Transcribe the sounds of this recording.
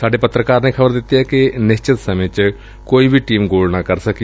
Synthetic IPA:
saːɖepət̪ɾəkaːɾneːkʰəbəɾd̪ɪt̪ːijɛkɪnɪst͡ʃɪt̪səmẽt͡ʃ | koːibʱiʈiːmɡoːɽnakəɾsək

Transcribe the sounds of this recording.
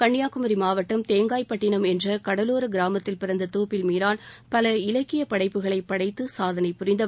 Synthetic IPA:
kɐɳːɪjaːkɯmɐɾimaːʋɐʈːɯmt̪eːŋɡaːjpːɐʈːɪnɐmɛndrɐkɐɽɐloːɾɯɡɪɾaːmɐt̪ːɪlpɪɾɐnd̪ɐt̪oːpːɪlmiːɾaːlpɐlɐɪlɐkːɪjɐpɐɽɐɪpːɯɣɐɭɐɪpːɐɽɐɪt̪ːɯsaːðɐnɐɪpʊrɪnd̪ɐ

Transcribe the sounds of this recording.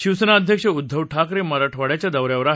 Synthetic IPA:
ɕiʋsənaːd̪ʱjəkʂəud̪ʱːəʋʈʰakɾeməɾaʈʰʋaɽjat͡ɕjad̪əʋɾjaʋəɾa

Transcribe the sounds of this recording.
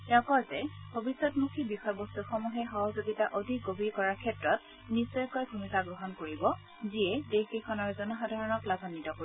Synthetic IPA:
ɛɔ̃kɔɹzɛbʱobisːɔtmukʰibixɔjbostuxɔmuɦɛxɔɦɔzoɡitaʔodʱik̚ɡobʱiɹkɔɹaɹkʰɛtɹɔt̚ | nisɔjkɔjbʱumikaɡɹɔɦɔnkoɹibɔ | ziɛdexikʰɔnɔɹzɔnɔxadʱaɹɔnɔklabʱɔnitɔkoɹi

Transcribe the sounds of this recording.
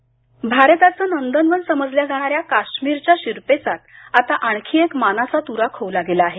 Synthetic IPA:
bʱaɾət̪at͡səːnənd̪ənʋənsəməd͡zljad͡zʱaɽ̃aɾjakaɕmiɾt͡ɕjaɕiɾpet͡sat̪ | at̪aʔaɳ̃kʰiːekmanat͡sat̪uɾakʰoʋlaɡelaːɦe

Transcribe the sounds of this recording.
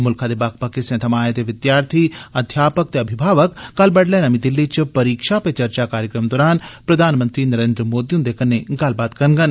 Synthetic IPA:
mʊlkʰad̪eːbaːk̚ʰpɐkesẽt̪ʰɐmaːet̪eʋɪd̪jaːɾt̪ʰiɐd̪ʱjaːpək̚t̪eɐbʱɪbʱaːʋəkkːɐlbɐɽlɛːnɐmĩd̪ɪlːit͡ʃpɐɾiːkʃapet͡ʃɐɾt͡ʃakaːɾjəkɾəmd̪ɔːɾaːnpɾɐd̪ʱaːnmənt̪ɾiːnəɾeːnd̪ɾəmoːd̪iʊ̃nd̪ekɐnːeɡɐlbaːt̪kɐnɡən

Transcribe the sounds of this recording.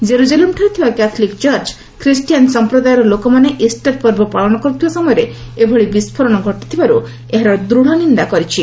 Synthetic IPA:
d͡ʒeɾud͡ʒalemʈʰaɾit̪ʰibakat̪ʰɔlikt͡ʃɔɾt͡ʃ | kɾisʈijansɔmpɾɔd̪ajɔɾɔlokɔmaneʔisʈaɾpɔɾbɔpaɭɔɽ̃ɔkɔɾut̪ʰibasɔmɔjɔɾe | ebʱɔɭibispʰɔɾɔɽ̃ɔɡʱɔʈi̥t̪ʰibaɾu | eɦaɾɔɾd̪ɾuɽ̤̃ɔnind̪akɔɾit͡ʃʰi

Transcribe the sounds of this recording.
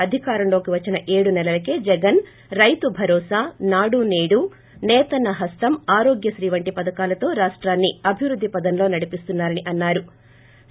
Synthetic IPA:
ɐd̪ʱikaːɾɐmlo̞ːkiʋɐt͡ʃːinɐʔe̞ːɽunɛlɐlɐke̞ːd͡ʒɛɡɐn | ɾɐjt̪ubʱɐɾɔːsaːnaːɽuneːɽu | nɛːt̪ɐnɐɦɐst̪ɐmaːɾoːɡjɐʃɾiːʋɐɳʈipɐd̪ɐkaːlɐt̪o̞ːɾaːʂʈɾaːnːiɐbʱiʋɾud̪ʱːipɐd̪ɐnlo̞ːnɐɽipist̪unːaːɾɐniʔɐnːaːɾu

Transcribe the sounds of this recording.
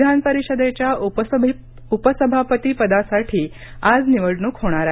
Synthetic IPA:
d̪ʱanpəɾiɕəd̪et͡ɕja | upəsəbʱapət̪iːpəd̪asaʈʰiː | ad͡zniʋəɽɳuːkɦoɽ̃aɾa

